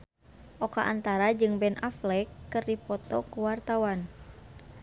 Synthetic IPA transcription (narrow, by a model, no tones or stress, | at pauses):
ʔɔkaʔant̪aɾad͡ʒɨŋbɛnaflɛkːɨrdipɔt̪ɔkuwart̪awan